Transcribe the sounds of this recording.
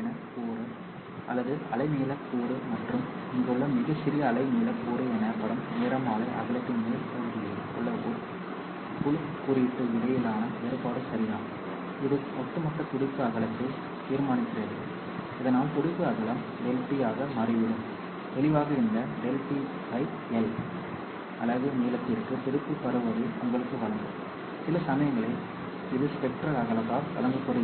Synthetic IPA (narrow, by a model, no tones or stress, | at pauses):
nɐpuːɾɯ | ʔɐlːɐðɯɐ̰lɐɪniːlɐpːuːɾɯmɐʈrɯmɪŋɡɯɭːɐmɪɣɐt͡ʃːɪɾɪjɐːlɐɪmiːlɐkːuːɾɯɛnɐpɐɽɯmneːɾɐmaːlɐʔɐ̰ɣɐɭɐt̪ːɯnɐɐk̪ʊɽɯðɪ | kɔɭːɐkuːɾ | kʊɭɯ | kːʊɾɪɪp̪ːɯʋɪlɐjɪlaːnɐeɾɯpaːɽɯsɐɾɪjaːm | ɪðɯmɐt̪ːɯmɐʈːɐkʊɽɪpːɯɐɣɐɭɐkːɯ | t̪iːɾmaːnɪkːɪrɐːðɯ | ɪðɐnaːlkʊɽɪpːɯɐɣɐɭɐm | ɖɛlpijaːɣɐmɐɾɐʋɪɽɯm | t̪ɛɭɪʋaːɣɐɪnd̪ɐɖɛlpi | sɐɪʈ | ɛl | ʔɐlːɐðɯmeːlɐt̪ːɪrkːɯt̪ɪɾɯpːɯpːɐɾɯʋɐðɐʊŋɡɐɭɯkːɯʋɐɭɐŋɡ̪ɯm | sɪlɐsɐmɐjɐŋɡɐɭɐɪ | ɪðɯspɛk̚ʈrɐlɐɣɐɭɐt̪ːaːlʋɐ̰lɐŋɡɯkːɔɽɯ